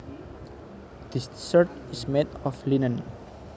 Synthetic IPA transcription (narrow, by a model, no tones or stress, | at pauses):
d̪̥issəɹt̪ | ismetɔflinə̃n